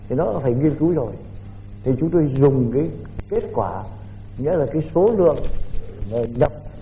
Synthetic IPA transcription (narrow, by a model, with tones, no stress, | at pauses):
t̪ʰi˨˩nɔ˨˦faː˧˩jŋi˧əmku˨˦zo˨˩j | t̪ʰi˨˩t͡ɕʊ˨˦ŋ͡mt̪o˧jzʊ˨˩ŋ͡mkaː˨˦j | ke˦˥t̚kwaː˧˩ | ŋḭ˧˥əlaː˨˩kaː˨˦jso˨˦lɨ̰˧˨əŋ˨˩ | ɲə˨˩m̚